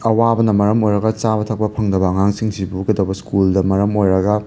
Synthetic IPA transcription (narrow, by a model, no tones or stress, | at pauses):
ɐwabɐnɐmɐɾɐmojɾɐɡɐt͡ʃabɐtʰɐk̚pɐpʰɐŋdɐbɐɐŋaŋsiŋsibuɡɐdɐwbɐskuldɐmɐɾɐmojɾɐɡɐ